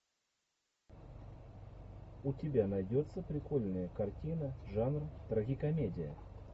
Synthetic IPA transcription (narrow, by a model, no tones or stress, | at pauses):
ʊtʲɪbʲanɐjdʲot̪sːəpɾʲɪko̞lʲnəjəkɐrtʲinəʐanrt̪ɾɐɡʲikɐmʲedʲɪjə̰